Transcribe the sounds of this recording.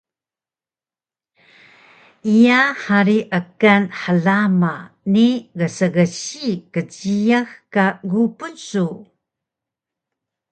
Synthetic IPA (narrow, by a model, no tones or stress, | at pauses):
ʔijaħaɾiʔəkanħəɮamaniɡəsəɣəɕikəd͡ʑijaxkaɡupunsu